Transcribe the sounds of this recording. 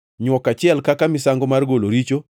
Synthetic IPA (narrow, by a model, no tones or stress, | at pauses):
ɲwɔkat͡ʃɪɛlkakamɪsaŋɡomarɡoloɾit͡ʃo